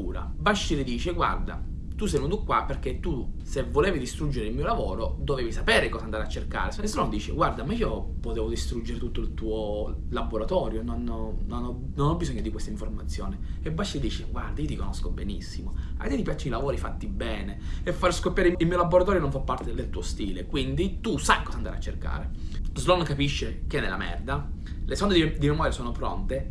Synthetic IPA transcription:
uːɾa̰baʃːilid̪iːt͡ʃeɡwa̰rd̪a̰ | t̪us̬ɛjunut̪ukːwaperk̟et̪ːusevːoleːvid̪ist̪ɾud͡ʒːeɾɪilmiːolavoːɾod̪oveːvisapɛːɾekɔːsand̪aɾeat͡ʃːerka̰ːɾesesenɔnd̪iːt͡ʃḛɡward̪amaiːopot̪ɛːvod̪ist̪ɾud͡ʒːeɾet̪ut̪ːoilt̪uːolaboɾat̪ɔːɾjononɔnonɔ | nonɔbːizɔɲːod̪ikwest̪aiɱformat̪sːjo̰ːneebːat͡ʃːid̪iːt͡ʃeɡwa̰rd̪aiot̪ikonoskobenḭsːimoa̰jt̪ejt̪ipjat͡ʃːinilavoːɾifat̪ːibɛːneefːaɾskopːjaːɾeiilmiːolaboɾat̪ɔːɾjonõɱfapːart̪ed̪elt̪uːost̪iːlekwind̪it̪usajkɔːzand̪aɾḛat͡ʃːerka̰ːɾezlɔnkapiʃːekɛnːela̰mɛ̰rd̪a | lesɔnd̪ed̪d̪imemɔːɾjasɔːnopɾɔ̰nt̪e

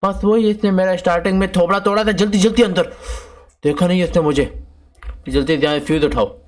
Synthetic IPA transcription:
bɐsʋoːɦiɪsnemeːɾaɪsʈaːɾʈɪ̃ŋɡmẽt̪ʰoːpɽat̪oːɽat̪ʰad͡ʒɐlt̪̬id͡ʒɐlt̪iɐ̃nd̪əɾ | d̪̥eːkʰanɐɦĩɪsnemʊd͡ʒʱe | d͡ʒɐlt̪̬id̪jãfʰuːzʊʈʰaːoː

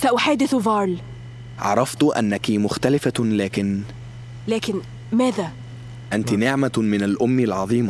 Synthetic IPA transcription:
saʔʊħaːd̪ɪθvɑːɾˤl | ʕɑ̰ɾˤɑft̪ʔa̰nːækimʊxt̪ælɪfalæːkɪn | læːkɪn | mæːðæ | ʔænt̪inɪʕmamɪnalʔʊmːɪlʕɑðˤiːm

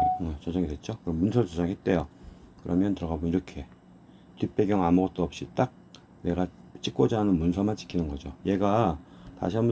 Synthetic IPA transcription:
et͡ɕʌd͡ʑʌŋidwe̞t̚t͡ɕ͈okɯʌmːunsʰʌɾt͡ɕʌd͡ʑʌŋɦe̞t̚t͈e̞jokɯɾʌmjʌntɯɾʌɡabuniɾʌkʰe̞ | tɥip͈e̞ɡjʌŋamuɡʌt̚t͈oʌp̚ɕ͈it͈ak̚ | ne̞ɡat͡ɕ͈ik͈wʌd͡ʑaɦːnɯnmunsʰʌmant͡ɕ͈ʰi̥kʰinɯnɡʌd͡ʑoje̞ɡata̰ɕʰiamu

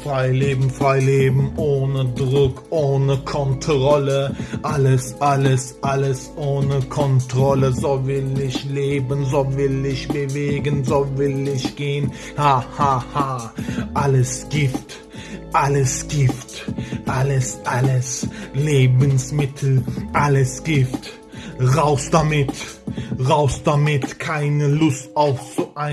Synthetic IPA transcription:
fʁ̥aɪleːbm̩fʁaɪleːbm̩ʔoːnədʁʊkʔoːnəkʰɔntʁɔləʔaləsʔaləsʔaləsʔoːnəkʰɔntʁ̥ɔləzovɪlɪçleːbənzoːvɪlɪçb̥əveːɡənzoːvɪlɪçɡ̥eːən | hahahaːʔaləsɡ̥ɪft | ʔaləsɡ̥ɪftʔaləsʔaləsleːbənsmɪtʰl̩ʔaləsɡ̥ɪft | ʁaʊsd̥amɪt | ʁaʊsd̥amɪtkʰaɪnəlʊstaʊfz̥oʔaɪ

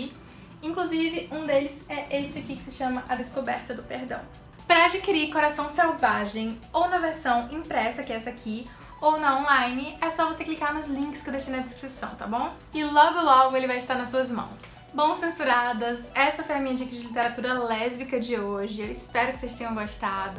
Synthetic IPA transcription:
ĩŋkluzivɪũd̪elɪzɛʔest͡ʃɪakikɪ̥sɪʃɐ̃mɐʔɐd̪eskobɛɾt̪ɐd̪ʊpeɾd̪ɐ̰̃w̃ | pɾɐad͡ʒikiɾiɾkoɾasɐ̃w̃sawvaʒẽj̃ownɐveɾsɐ̃w̃ĩpɾɛsɐkɪɛsɐakʰi | ownɐõlajnɪɛsɔvoseklikaɾnʊzlĩŋkɪ̥skɪd̪eʃt͡ʃinɐd͡ʒest̪ɾisɐ̰̃w̃t̪abõw̃ | ɪlɔɡʊlɔɡʊelɪvajɪst̪aɾnɐsuɐzmɐ̰̃w̃s | bõw̃sẽsuɾad̪ɐsɛsɐfojɐmĩɲɐd͡ʒikɐd͡ʒɪlit̪eɾat̪uɾɐlɛzbikɐd͡ʒɪoʒɪewɪspɛɾʊkɪsest̪ẽɲ̃ɐ̃w̃ɡoʃt̪ad̪ʊ

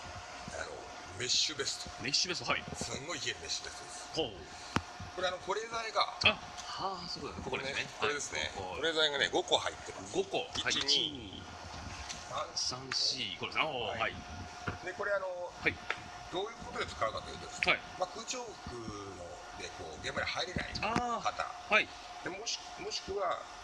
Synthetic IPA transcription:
a̰no̰ | me̞ɕːɨbe̞sɨ̥t̪o̥me̞ɕːɨbe̞st̪aisɨ̃ŋɡo̞ieme̞ɕːɨbe̞st̪od̪esɨ̥ho | ko̞ɾeano̞ko̞ɾe̞ːzaeɡaa | haːso̞ːd̪esnkokodesnekoɾed̪esɨne̞̰kooɾe̞ːzaiɡane̞̰ɡo̞kohait̪ːema̰sɡokoihai | asãɰ̃ɕiːkodesohai | d̪eko̞ɾe̞ano̞hai | d̪oːjɯ̟ːko̞t̪od̪et͡sɨ̥kaɯ̟kat̪ojɯ̟t̪od̪eshai | makɯ̟ːt͡ɕo̞ːɯ̥kɯ̟ | no | d̪eko̞̰ːɡẽ̞mbaɾʲihaiɾe̞na̰ḭaːkat̪a̰hai | d̪̥emoɕi̥k | mo̞ɕi̥kɯ̟βa

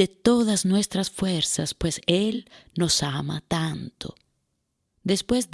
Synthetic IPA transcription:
et̪oðaznwest̪ɾasfweɾsaspweselnosama̰t̪ant̪ʰo̰ | d̪espwezd

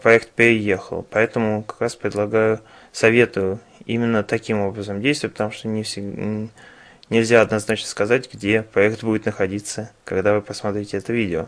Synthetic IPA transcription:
pɾɐɛkt̪̚pʲɪɾʲɪjexə̰lˠpɐɛt̪əmʊkɐ̥kɾaspɾʲɪd̪lˠɐɡajʊ | sɐvʲet̪ʊ | ḭmʲɪnːət̪ɐkʲimo̞bɾəzəmdʲejst̪vət̚ʲpət̪ɐmuʂt̪onʲɪ | nʲɪlʲzʲaɐd̪nɐznat͡ɕnəskɐzatʲɡdʲepɾɐɛkt̪budʲɪt̪nəxɐdʲit̪səkɐɡd̪avɨpəsmat̪ɾʲɪtʲɪɛt̪əvʲidʲɪo̰

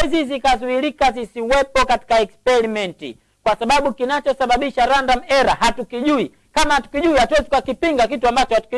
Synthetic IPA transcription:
ɛzizikazuiɾikazisiwɛpɔkati̥kaɛkspɛɾimɛntḭ | kwasaɓaɓukinat͡ʃɔsaɓaɓiʃaɾandam̩ɛɾahatukiʄui | kamahatu̥kiʄuihatwɛzikakipiŋɡak̬ituambat͡ʃɔhatu̥ki

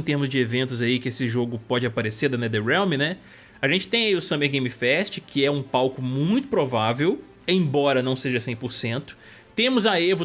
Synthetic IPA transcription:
t̪eɾmʊzd͡ʒɪevẽnt̪ʊzaikɪesɪʒoɡʊpɔd͡ʒɪapaɾeseɾd̪ɐnɛd̪eɾɛwmɪnɛ | ɐʒẽnt͡ʃɪ̥t̪ẽj̃ɐiʊsɐ̃meɾɡẽj̃mɪfɛst͡ʃɪkʰɪɛũpawkʊmũj̃t̪ʊ̥pɾovavew | ẽj̃bɔɾɐnɐ̃w̃seʒɐsẽj̃pʊɾsẽnt̪ʊ̥ | t̪ẽmʊzɐevʊ

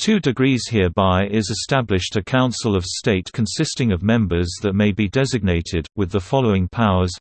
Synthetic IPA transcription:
tʰʉdɪɡɹiːz̥hɪəbaɪʔɪzɨstablɪʃtəkʰãʊ̃nsəlˠəv̥steɪtkʰə̃nsɪstɪ̃ŋəvmɛ̃mbə˞zðəʔ̚meɪbidɛzɪɡ̚neɪtʰɪd̚wɪðəfɒloʊɪ̃ŋpʰaʊə˞z̥

